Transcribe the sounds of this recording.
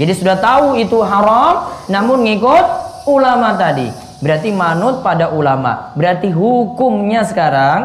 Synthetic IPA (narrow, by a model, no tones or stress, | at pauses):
d͡ʒadisudaht̪auit̪uɦaɾɔmnamʊnŋikʊt̪̚ulamat̪adḭ | bəɾart̪imanʊt̪̚padaʔulama̰bəɾart̪iɦukʊmɲasə̥kaɾaŋ